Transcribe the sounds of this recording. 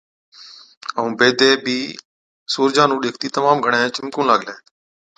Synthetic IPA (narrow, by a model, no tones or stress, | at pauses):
əũːbeːd̪eːbʱiː | suːɾd͡ʒãːnũːɗɪːkʰt̪iːt̪əmaːmɡʱəɳẽːt͡ʃɪmkũːlaːɠleː